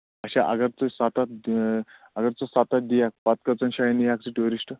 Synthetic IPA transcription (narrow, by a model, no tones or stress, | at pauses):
əɕaʔə̰ɡəɾt͡səsat̪at̪ | əɡəɾt͡səsat̪at̪̚d̪ijak̚pat̪̚kət͡sənɕajinijak̚t͡siʈuɾisʈə